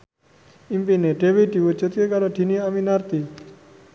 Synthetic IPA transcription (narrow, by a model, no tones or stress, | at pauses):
impineʈebiʈiʋut͡ʃət̪kekaɾoʈʰiniaminaɾt̪i